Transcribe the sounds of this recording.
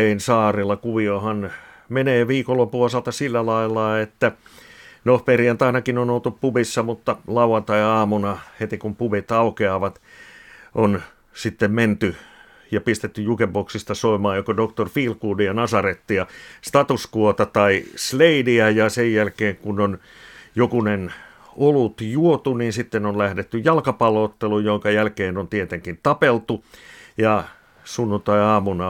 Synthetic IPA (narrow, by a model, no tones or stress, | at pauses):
einsɑːrelːˑɑkuʋiohɑn | meneːʋiːkolːopːuosɑlt̪ɑsilːælɑilːɑet̪ːæ | nohperiænt̪ɑinɑkinonolt̪uppubisːɑmut̪ːɑlɑuwɑnt̪ɑiɑːmunɑhet̪ikumpuʋit̪ɑukeɑʋɑt̪ | ʔon | sit̪ːemment̪y | jɑpist̪et̪ːyjukepoksist̪ɑsoimɑːjokodokt̪orfiːlkuːdijɑnɑsɑret̪ːijɑst̪ɑt̪uskuot̪ɑt̪ɑisleidiæjɑsejjælkeːŋkunon | jokunen | olut̪juot̪uniːnsit̪ːenonlæhdet̪ːyjjɑlkɑpɑloːt̪ːelujjoŋkɑjælkeːnont̪iet̪eŋkint̪ɑpelt̪ujɑ | sunːunt̪ɑiɑːmunɑ